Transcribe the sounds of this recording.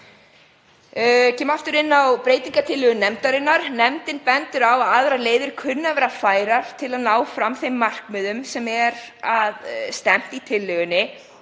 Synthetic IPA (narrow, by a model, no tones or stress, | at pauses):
cʰɛːmaft̪ʏɾɪnːawpɾeːjt̪iŋkat̪ʰɪlːʏɣʏnɛmt̪aɾɪnːaɾnɛmt̪ɪnpɛnt̪ʏɾawaðaðɾaleːjðɪɾ̥kʰʏnːavɛːɾafaːjɾaɾ̥t̪ʰɪlaðnaːwfɾamθejmːar̥kmɪðʏmsɛmɛɾaðst̪ɛm̥t̪it̪ʰɪlːʏɣʏnːɪ